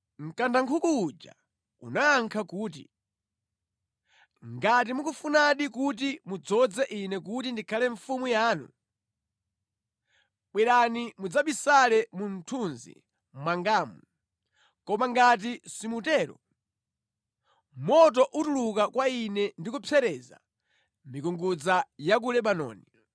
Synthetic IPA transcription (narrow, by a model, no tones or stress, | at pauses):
ŋ̩kandaŋkʰukuːd͡ʒa̰ | ṵnaːŋkʰakuːt̬ḭ | ŋɡat̬imukufunaɗik̬ut̬imud͡zɔd͡zɛʔinɛk̬utindikʰalɛɱfumujaːnṵ | ɓwɛɾanimud͡zaɓisalɛmun̩tʰunzḭ | mwaŋɡaːmu | kɔmaŋɡat̬isimutɛːɾɔ̰ | mɔt̬ɔʔutuluk̬akwainɛndikupʰɛɾɛːza̰ | mikuŋɡud͡zajak̬ulɛɓanɔ̰ːni